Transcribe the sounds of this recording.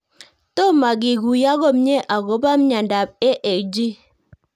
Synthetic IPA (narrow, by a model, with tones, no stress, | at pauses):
to˦ma˨ɡɪ˨ɡu˨ja˦ɡo˦mɲe˦ʔa˨ɡo˨˦ba˦m˦ɲa˨nda˨p̚e˦ʔe˨d͡ʒi˦